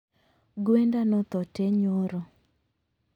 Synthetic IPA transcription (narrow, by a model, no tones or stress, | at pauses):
ɡwendanɔt̪ɔteɲoɾɔ